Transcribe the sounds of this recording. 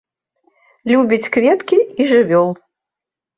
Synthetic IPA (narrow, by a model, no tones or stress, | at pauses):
lʲubʲit͡sʲkvʲɛt̪kʲiiʐɨvʲɔlˠ